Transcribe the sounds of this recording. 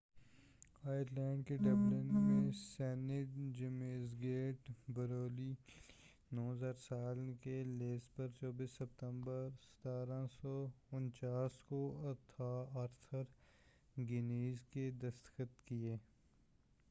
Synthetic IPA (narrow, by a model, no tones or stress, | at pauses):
aːjɪɾlɛːɳɖ̚keɖɐblɪnmẽsɛːnɪʈ̚d͡ʒɪmeːzɡeːʈbəɾoːli | nɔːzaːɾsaːlkeleːspəɾt͡ʃɔːbiːsːɐp̚t̪ə̃mbəɾsə̥t̪aːɾãsɔːʊnt͡ʃaːskoɐt̪ʰaːəɾt̪ʰəɾ | ɡɪneːzked̪əst̪xət̪kieː